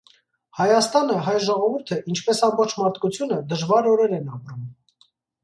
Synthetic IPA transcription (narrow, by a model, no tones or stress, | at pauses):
hɑjɑst̪ɑnəɦɑjʒɔʁɔvuɾt̪ʰəʔint͡ʃʰpɛsɑmbɔχt͡ʃʰmɑɾt̪ʰkut͡sʰjunəd̪əʒvɑɾɔɾɛɾɛnɑpɾum